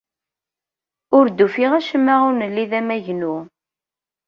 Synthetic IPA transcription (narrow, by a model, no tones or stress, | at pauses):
ʊɾd̪ːufiʁæʃəmːaʁʊɾnəlːiðæmæʝnu